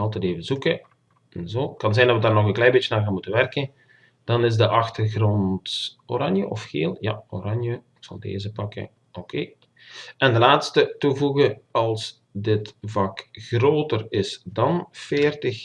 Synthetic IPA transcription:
ɑlˠtɛteːvəzukə | ɛnzoːkɑnzɛjndɑtʋədaːrnɔɣənklɛjbeːt͡ʃənaːrɣaːnmutənʋɛrkən | d̥ɑnɪzdəʔɑxtərɣrɔnt | oɾɑnjəʔɔfxḛːlˠja̰o̰ɾɑnjəɪksɑ̰lˠdḛːzəpɑkə̰ | okʰḛː | ɛndəlaːtstətuvuɣəɑlˠs | dɪtvɑkxroːtərɪsdɑnfeːrtəx

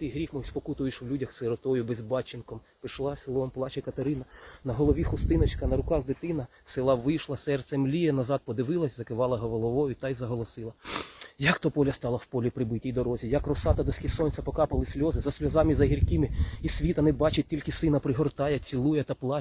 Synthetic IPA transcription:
t̪ɪɦɾʲixmɔjspɔkut̪ʊjeʃʋlʲudʲɐxsɪɾɔt̪ɔjʊbezbɑt͡ʃɪnkɔm | pɪʃlˠɑsʲɪlˠɔmplˠɑt͡ʃɛkɐt̪ɐɾɪnɐnɐɦɔlˠɔʋʲixʊst̪ɪnɐt͡ʃkɐnɐɾʊkɑxd̪ɪt̪ɪnɐ | sɪlˠɑʋɪjʃlˠɐsɛrt̪sʲɛmlʲijɛnɐzɑd̪̚pɔd̪ɪʋɪlˠɐsʲzɐkɪʋɑlˠɐɦɔʋɔlˠɔʋɔjʊt̪ɑjzɐɦɔlˠɔsɪlˠɐjɐkt̪ɔpɔlʲɐst̪ɑlˠɐwpɔlʲipɾɪbɪtʲijd̪ɔɾɔzʲijɐkrɔsɑt̪ɐd̪ɔsʲkʲɪsɔnʲsʲɐpɔkɑpɐlˠɪsʲlʲɔzɪzɐsʲlʲɔzɑmizɐɦʲirʲkɪmɪisʲʋʲit̪ɐnɪbɑt͡ʃɪt̚ʲtʲilʲkɪsɪnɐpɾɪɦɔrt̪ɑjɛt͡sʲilˠujɛt̪ɐplˠɑ

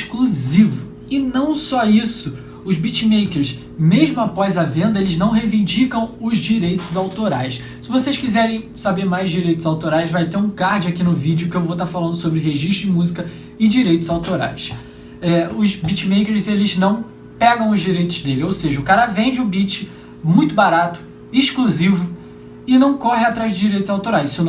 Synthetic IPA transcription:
ʃkluzivʊ | ɪnɐ̃w̃sɔisʊ | ʊzbit͡ʃimejkeɾs | meʒmʊapɔzɐvẽnd̪ɐelɪznɐ̃w̃ɦevĩnd͡ʒikɐ̃w̃ʊzd͡ʒiɾejt̪ʊzawt̪oɾajs | sɪvosejʃkizɛɾẽj̃sabeɾmajzd͡ʒiɾejt̪ʊzawt̪oɾajzvajt̪eɾũkahd͡ʒɪakinʊvid͡ʒɪʊkɪewvot̪aɾfalɐ̃nd̪ʊsobɾɪɦeʒiʃt̪ɾʊɪmuzikɐ | ɪd͡ʒiɾejt̪ʊzawt̪oɾa̰js | ɛʊzbit͡ʃimejkeɾzelɪznɐ̃w̃ | pɛɡɐ̃w̃ʊzd͡ʒiɾejt̪ʊzd̪elɪowseʒɐʊkaɾɐvẽd͡ʒɪũbit͡ʃɪ | mũj̃t̪ʊbaɾat̪ʊ̥ | ɪʃkluzivʊ | ɪnɐ̃w̃kɔhɪat̪ɾajzd̪ɪd͡ʒiɾejt̪ʊzawt̪oɾajssɪn

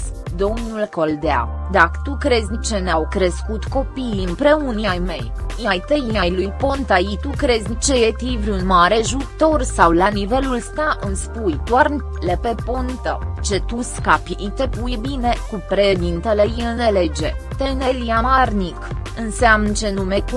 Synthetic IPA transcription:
d̪o̞mnulko̞ld̪ea̰ | d̪akə̥t̪ukɾe̞zʲnit͡ʃe̞neawkɾeskut̪ko̞piːɨmpɾe̞unjajme̞jjajt̪ejiajlujpo̞nt̪ajit̪ukɾe̞zʲnit͡ʃejet̪ivɾʲiunmaɾe̞ʒut̪o̞rsawlanive̞lulst̪aʔɨmspujd̪oar | lepe̞pont̪ə̰t͡ʃe̞t̪uskapjʔit̪e̞pujbine̞kupɾed̪int̪ele̞jɨlnele̞d͡ʒe̞t̪enelijamarnik | ɨnseamnt͡ʃe̞nume̞k

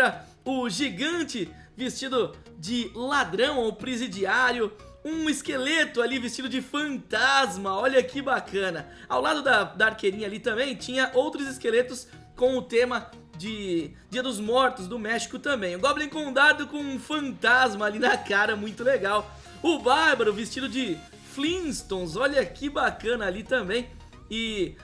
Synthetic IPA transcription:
ɾɐ | ʊʒiɡɐ̃nt͡ʃɪ | vɪst͡ʃid̪ʊ | d͡ʒɪlad̪ɾɐ̃w̃owpɾezid͡ʒiaɾjʊ | ũɪskelet̪ʊalivɪst͡ʃid̪ʊd͡ʒɪfɐ̃nt̪azmɐɔʎɐkɪbakɐ̃nɐ | awlad̪ʊd̪ɐd̪ɐaɾkeɾĩɲɐalit̪ɐ̃mbẽj̃t͡ʃĩɲɐʔowt̪ɾʊzɪskelet̪ʊs | kõʊt̪ẽmɐ | d͡ʒɪd͡ʒiɐd̪ʊzmɔɾt̪ʊzd̪ʊmɛʃi̥kʊt̪ɐ̃bẽj̃ũɡɔblẽj̃kõd̪ad̪ʊkõũfɐ̃nt̪azmɐːlinɐkaɾɐmũj̃t̪ʊleɡaw | ʊbaɾbɐɾʊvɪst͡ʃid̪ʊd͡ʒɪ | flĩst̪õw̃zɔʎɐkɪbakɐ̃nɐːlit̪ɐ̃mbẽj̃ | ɪ

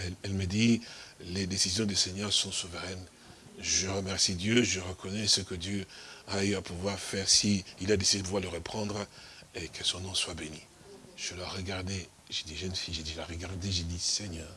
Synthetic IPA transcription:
ɛlɛlməd̪iled̪esizjɔ̃d̪ysɛɲœʁsɔ̃suvəʁɛn | ʒəʁəmɛʁsid̪jøʒəʁəkʰɔnɛsəkəd̪jøayapuvwaʁfɛʁsiilad̪esid̪epuvwaʁləʁəpχɑ̃d̪ʁekʰəsɔ̃nɔ̃swabeni | ʒ̥əlaʁəɡaʁd̪e | ʒed̪iʒənfiʒed̪ilaʁəɡaʁd̪eʒed̪isɛɲœːʁ

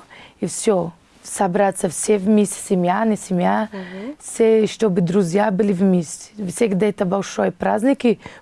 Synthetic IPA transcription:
ifsʲo | sɐbɾat̪səfsʲevmʲesʲtʲsʲɪmʲjanɪsʲɪmʲjafsʲeʂt̪obɨd̪ɾʊzʲjabɨlʲɪvmʲesʲtʲɪ̥vsʲeɡd̪ɐɛt̪əbɐlʲʂojəpɾazʲnʲɪkʲɪ

